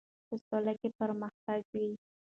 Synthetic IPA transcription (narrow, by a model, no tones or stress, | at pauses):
pəst̪ɔlakepəɾməxt̪aɡwi